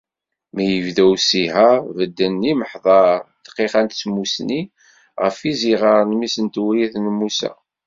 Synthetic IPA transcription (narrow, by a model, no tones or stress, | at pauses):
mæjəvðæwsihævəd̪ːənːiməħðˤɑɾt̪ːqːiχænt̪t͡sːmusni | ʁəfiziʁəɾˤnmisənt̪wɾiθnəmːusæ̰